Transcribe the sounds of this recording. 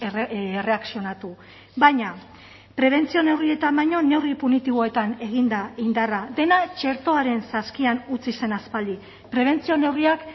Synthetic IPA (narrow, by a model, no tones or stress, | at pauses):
ere̞aksio̞nat̪u | βaɲa | pɾe̞β̞e̞nt͡sio̞ne̞wrie̞t̪ambajɲo̞ne̞wripunit̪iβ̞o̞e̞t̪ane̞ɣ̞ind̪aind̪araðe̞nat͡ʃe̞ɾt̪o̞aɾe̞nsaskianut͡sise̞naspald̪i | pɾe̞β̞e̞nt͡sio̞ne̞wriak